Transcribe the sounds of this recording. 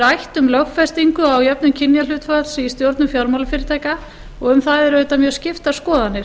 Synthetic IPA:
ɾajht̪ʏmlœɣfɛst̪iŋkʏawjɛp̚nʏmcʰɪnjal̥ʏːt̪falsist̪jowɾt̪nʏfjawɾmawlʏfɪːɾɪt̪ʰaːjka | ɔɣʏmθaðɛɾœɥt̪amjœ̥ːscɪft̪askɔːðanːɪ̥

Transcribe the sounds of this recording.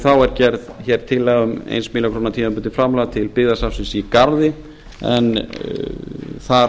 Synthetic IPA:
θawɛɾcɛɾðçɛːɾ̥t̪ʰɪlːɛːɣʏmḛjnsmiːlakʰɾoːnat̪ʰiːmampʏnt̪ɪfɾamlaːat̪ʰɪlpɪɣðasafsɪnsikaɾðɪ | ɛ̰n | θa

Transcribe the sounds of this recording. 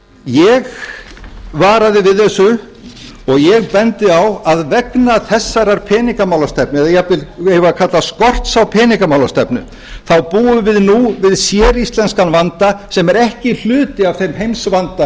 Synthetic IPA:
jɛɣ | vaːɾaðɪvɪðɛsʏ | ɔɣjɛɣpɛnt̪ɪawaðvɛknaθɛsːaɾaɾ̥pʰɛːniŋkamawlast̪ɛpnɪɛðajɛat̪ɪlevakʰat̪laskɔr̥t̪sawpʰɛːniŋkamawlast̪ɛpnʏ̰ | θawpuːʏvɪðnuvɪðsjɛːɾist̪lɛnskanvant̪asɛmɛɾɛhcɪl̥ʏːt̪ɪav̥θejmɦejmsvant̪a

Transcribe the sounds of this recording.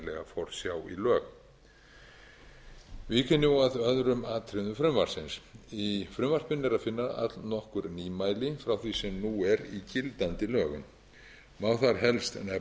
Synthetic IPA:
lɛ̰ɣafɔɾ̥sjaːwḭlœːɣ | vikʰɛnːaðœðɾʏmat̪ʰɾɪðʏfɾʏmvar̥sɪnsifɾʏmvar̥pʏnːɛɾaðfɪnːaða̰t̪lnɔhkʏɾniːmaːjlɪfɾawθisɛmnuɛɾicɪlt̪ant̪ɪlœːɣʏn | mawθaɾ̥ɦɛlst̪ɛnɛ

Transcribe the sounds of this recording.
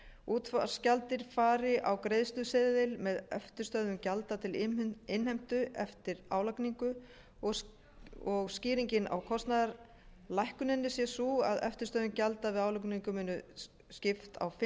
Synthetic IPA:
uːt̪fascalt̪ɪɾ̥faːɾɪʔawkɾeːjðst̪ʏsɪðɪlmɛðœft̪ʏɾst̪œðʏmcalt̪at̪ʰɪlɪnhajm̥t̪ʏɛft̪ɪɾa̰ːwlakniŋkʏ | ɔ | ɔɣsciːɾiɲcɪna̰wkʰɔst̪naðaɾ | lajhkʏnɛnːɪsjɛsua̰ðœ̰ft̪ʏ̥ɾst̪œðʏncalt̪avɪðaːwlakniŋkʏmɪnːʏ | scɪft̪ʰa̰wfɪ

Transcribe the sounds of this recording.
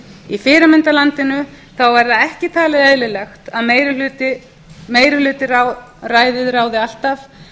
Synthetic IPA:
ifɪːɾɪmɪnt̪alant̪ɪnʏ | θawvɛɾðaðɛhcɪt̪ʰaːlɪðɛðlɪlɛxt̪aðmeːjɾɪlʏːt̪ɪ | meːjɾɪhlʏːt̪ɪraw | raːjðɪðraːwðɪal̥t̪af

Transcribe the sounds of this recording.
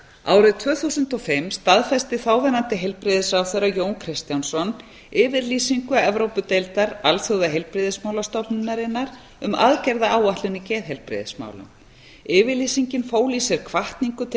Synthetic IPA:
a̰ːwɾɪðt̪ʰv̥œːθuwsʏnt̪ɔfɪmst̪aðfɛst̪ɪθaːwvɛnant̪ɪɦejlpɾɪðɪsawθeɾajoːwnkʰɾɪst̪jawnsɔn | ɪːvɪɾliːsiŋkʏɛvɾowpʏt̪ejlt̪aɾalfœwðaɦejlpɾɪðɪsmaːwlast̪ɔpnɪnːaɾɪnːaɾ̥ | ʏma̰ðcɛɾðaaːwaht̪lʏnicɛːðɦɛjlpɾɪ̰ːðɪsma̰ːwlʏ̰m | ɪːvɪɾliːsiɲcɪnfoːwlisjɛɾ̥kʰvaht̪niŋkʏt̪ʰ

